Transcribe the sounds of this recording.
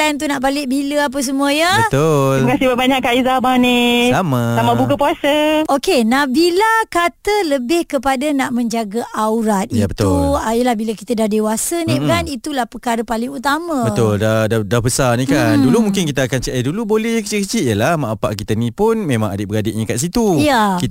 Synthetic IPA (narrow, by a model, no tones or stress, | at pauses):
ajnt̪̬unaʔbalɪʔbiləap̬əs̬əmuəɲəbət̪ʊlimakasibəbaɲakːaizamanilamasamabukəpuasəʔokenahbilakat̪ələbɪhkəpadanaʔmə̃ɲd͡ʒaɡaʔawɾat̪̚ʔijabət̪uljəlahbilaki̥t̪ədahdewasənikanit̪ulahpəkaɾəpalɪŋut̪amãbət̪ʊldadadahbəsanĩkandulumũŋkɪnkit̪əːkant͡ʃəʔajdulubolɛhɲkət͡ʃiʔ̚kət͡ʃit̪̚jəlahmaʔapa̰ʔkit̪ənĩpʊnmẽmã̰ŋa̰dɪʔbəɾadɪʔɲə̃kaʔs̬it̪ujaki